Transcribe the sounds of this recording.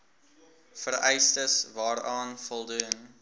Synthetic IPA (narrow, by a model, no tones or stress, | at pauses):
fərɛjstəsvɑːɾɑːnfɔlˠdun